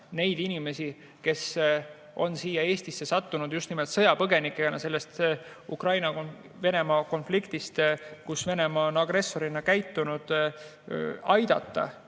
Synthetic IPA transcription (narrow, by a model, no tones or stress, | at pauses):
ne̞jd̪̥inime̞si | ke̞s | ʔo̞̰nsiːjɑe̞ːst̪isːe̞sɑt̪ːunud̪̥just̪nimelt̪sɤjɑpɤɡe̞nikːˑenɑ̰se̞lːe̞st̪ | ukrɑjnɑk | ve̞ne̞mɑːko̞nflikt̪ist̪kusve̞ne̞mɑːonɑɡ̥ɾe̞sːo̞ɾinɑkæjt̪ːunud̪̥ | ɑjd̪̥ɑ̰t̪ˑːɑ̰